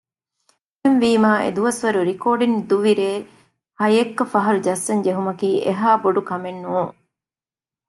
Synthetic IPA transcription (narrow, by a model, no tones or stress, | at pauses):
enʋiːmaːʔḛd̪uʋɐsʋɐɾuɾikoːɖind̪uʋiɾeː | hɐjekːɐfɐɦɐɾud͡ʒɐsːɐɲd͡ʒeɦumɐkiːʔeɦaːboɖukɐmenːuːŋ